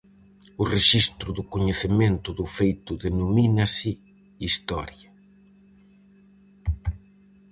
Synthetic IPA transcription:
ʊreʃist̪ɾʊðʊkoɲeθement̪ʊðʊfejt̪ʊðenominasɪ | ist̪ɔ̰ɾjɐ

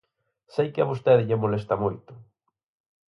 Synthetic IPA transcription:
sejkɪɐβost̪eðɪʎemolest̪ɐmojt̪ʊ̥

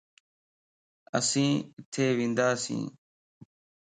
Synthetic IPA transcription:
ə̰sĩːɪt̪ʰeːʋĩːnd̪aːsḭ̃ː

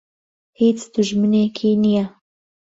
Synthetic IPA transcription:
hiːt͡sd̪̥uʒmɨneːkʰinija

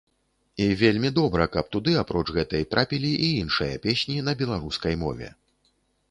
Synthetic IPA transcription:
ivʲelʲmʲid̪ɔbɾɐkɐp̚t̪ud̪ɨapɾɔt͡ʂɣɛt̪ɐjt̪ɾʔapʲilʲiʔiinʂɨjɐ̰pʲesʲnʲinɐbʲɛlˠaɾuskɐjmɔ̰vʲɛ̰

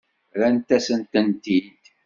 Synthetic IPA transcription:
ɾænt̪æsənt̪ənt̪id̪

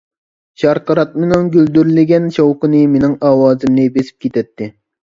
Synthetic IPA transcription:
ʃɑɾqəɾɑt̪̚menɪŋɡʲøld̪yɾlɪɡʲɛnʃowqənɨmenɪŋɑːwɑːzɨmnɨbesɪ̥p̚kʲet̪ʰɛt̪ʰːɪ

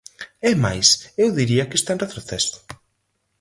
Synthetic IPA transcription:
ɛmajsewðiɾiɐkɪest̪anret̪ɾoθɛsʊ̥

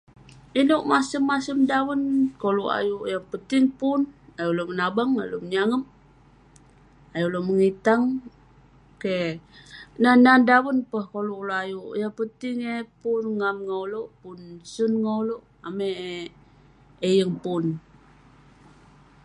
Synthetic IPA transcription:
inoʔmasəmːasəmdawənkoluʔa̰jujaŋpət̪ɪŋpunajulomənabaŋaloməɲaŋəm | ajuloməŋit̪aŋ | ke | nanandawənpəhkolukloajujapət̪iŋepunŋamŋauloʔpunsunŋauloʔ | ameʔ | ejəŋpun

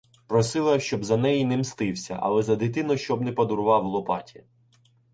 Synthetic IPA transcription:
pɾɔsɪlˠɐʃt͡ʃɔbzɐnɛjinɛmst̪ɪwsʲɐ̰ʔɐ̰lˠɛzɐd̪ɪt̪ɪnɔjʃt͡ʃɔbnɛpɐd̪ʊɾʊʋɑwlˠɔpɑ̰tʲi

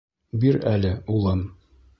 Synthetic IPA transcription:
biɾælɘulˠɤm

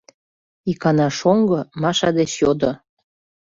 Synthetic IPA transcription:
ikɑnɑʃoŋɡɤmɑʃɑd̪eʃjod̪o

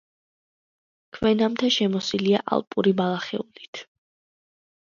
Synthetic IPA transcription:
kʰvɛnamt̪ʰaʃɛmɔsiliaʔa̰lˠpʼuɾibalˠaχɛ̰ulit̪ʰ

